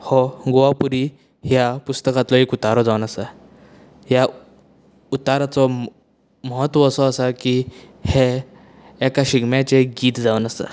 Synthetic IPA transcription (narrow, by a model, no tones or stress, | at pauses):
hɔɡoʋapuɾi | ɦjapust̪əkat̪lɔekut̪aɾɔd͡zawnəsa | ɦja | ut̪aɾat͡sɔ | məɦət̪ʋɔːsɔəsaki | heː | kaɕiɡmjat͡ɕeɡiːt̪d͡zaənəsa̰